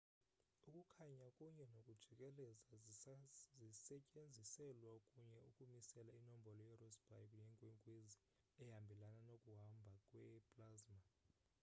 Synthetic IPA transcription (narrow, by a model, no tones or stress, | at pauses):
ukʼukʰaɲakʼuɲɛnokʼud̥ʒ̥ʱikʼɛlɛza | zisɛcʼend͡zʱisɛlwakʼuɲɛukʼumisɛlainɔm̩bʱɔlɔjɛrɔsb̥ʱa̰jkʼnɛŋkʼwɛŋkʼwezi | ɛɦambʱɛlananokʼuɦambʱakʼwɛpʼlazma